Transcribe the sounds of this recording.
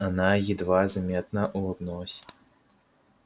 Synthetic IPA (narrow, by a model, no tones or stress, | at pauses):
anajid̪vazamʲɛt̪̚nɐʔuad̪nɔsʲ